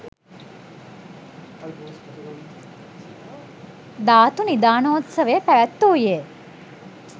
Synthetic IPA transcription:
d̪aːt̪unid̪aːnoot̪səʋepæʋæt̪ːoje

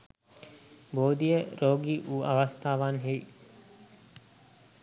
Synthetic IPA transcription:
boːd̪ijəɾoːɡiʔuːʔɐʋɐst̪aːʋaːnɦei

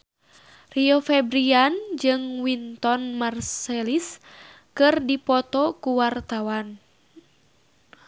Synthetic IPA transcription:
riofɛbɾiand͡ʒɨŋwint̪ɔnmarselis | kɨrdipɔt̪ɔkuwart̪awan

